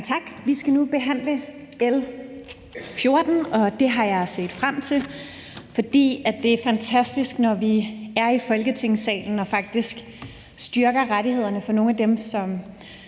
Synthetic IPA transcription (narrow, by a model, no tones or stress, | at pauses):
t͡sʰɑ̈ɡ̥ʋisɡ̥ænub̥e̝ɦæn̰lə | el | fjo̝ɐd̥n̩ɒ̽d̥e̝ɦɑ̈jɑ̈ɪse̝̰ːd̥fʁam̰t͡sʰe̝l | fɒ̽d̥ḭːæ̥d̥e̝æɐfænt͡sʰæsd̥isɡ̥nɒʋiæɐifɒ̽lɡ̥ət͡sʰe̝ŋ̰sɛ̰ːln̩ɒ̽fɑ̈ɡ̥̚d̥isɡ̥ | sd̥ɶɐɡ̥ɐʁaɾihe̝ð̞̰ˠɐnəfɒ̽no̝ːnæd̥emsɒ̽m